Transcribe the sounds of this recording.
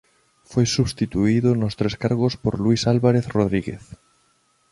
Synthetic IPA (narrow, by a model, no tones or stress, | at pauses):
fojsuβst̪it̪uiðʊnʊst̪ɾeskaɾɣospoɾluisalβaɾeθroðɾiɣḛθ